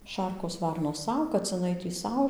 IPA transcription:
ˈʃɐrkoːs ˈʋɐrnoːs ˈsɐʊ kɐt͡sʲɪˈnɐɪ tʲiː ˈsɐʊ

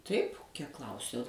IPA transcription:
tɐɪp kʲiɛk ˈklˠɐʊsʲɛʊ

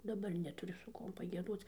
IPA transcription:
dɐˈbɐr nʲɛtʊˈrʲʊ sʊ ˈkuɔm pɐɡʲiɛˈdoːt͡s

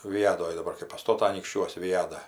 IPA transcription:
ʋʲɪˈjæːdoːj dɐˈbɐr kɐɪ pɐˈstoːtɐ ɐnʲiːkʃʲˈt͡ʃʲuɔs ʋʲɪˈjæːdɑː

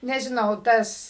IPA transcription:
nʲɛʒʲɪˈnɐʊ ˈtɐs

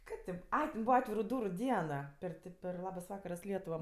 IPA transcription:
ˈkɐɪp tʲeː ˈɐɪ tʲɛn ˈbuːʋɐ ˈɑːtʲʋʲɪrʊ ˈduːrʊ ˈdʲiɛn pʲɛr ˈtʲɪ pʲɛr ˈlˠɑːbɐs ˈʋɑːkɐrɐs ˈlʲiɛtʊʋɐ

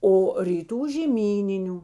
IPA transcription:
oː rʲiːˈtuː ʒʲeːˈmʲiːnʲɪnʲʊ

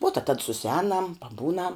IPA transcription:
ʋuɔ tɐ tɐt sʊsʲɪˈɛːnɐm pɐˈbuːnɐm

